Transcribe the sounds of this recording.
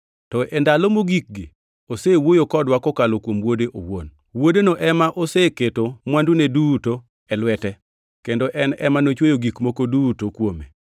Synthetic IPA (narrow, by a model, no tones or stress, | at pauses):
tɔʔendalomoɡik̚ɡɪ | osewojokɔdwakɔkalokwomwodeʔo̰wo̰n | wodenoʔɛmaʔoseketomwanduneduto | ɛlwɛtɛ | kendoʔɛnɛmanot͡ʃwojoɡikmokodutokwomḛ